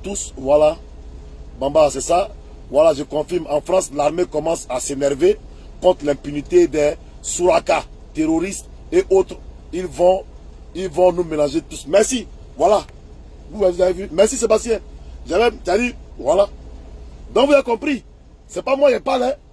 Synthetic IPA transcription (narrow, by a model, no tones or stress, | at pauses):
t̪uswala | bãmbasɛsa | vwalaʒekɔ̃fiɾmãfɾãslaɾmekɔmãsasenɛɾve | kɔ̃t̪ɾlɛ̃pynit̪edɛ | suɾaka | t̪eɾoɾist̪ | eʔot̪ɾ | ilvɔ̃ | ilvɔ̃nũmenãʒet̪usmɛsi | vwala | vuvɛvzavymɛsisebast̪jɛ̃ʒɛlɛt̪iadiwala | d̪ɔ̃kvuzakɔ̃pɾi | sɛpamwãjɛpalɛ